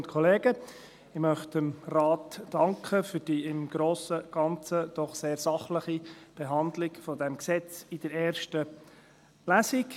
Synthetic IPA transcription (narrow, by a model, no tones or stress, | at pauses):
ntkʰɔleːɡə | ɪmœχtəmrɑːtːɑŋkχəfʏɾd̥iɪmɡ̥ɾoːsəɡ̥ɑnt͡səd̥̪ɔχseːɾsɑχləχib̥eɦɑnd̪lɪɡfɔd̪ɛmksɛt͡sɪd̥̪əɾɛːɾʃtə | læsik